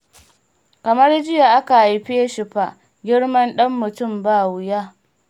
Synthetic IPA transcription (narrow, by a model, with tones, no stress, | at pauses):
kɐ˨mɐ˦rd͡ʒɪ˦ja˨ʔa˦ka˨ʔa˨jɸeː˦ʃɪ˨ɸa˨ | ɡʲɪ˦ɽmɐ˦nɗɐ˦mːʊ˨tʊ˦˨mbaː˦˨wʊ˨jaː˦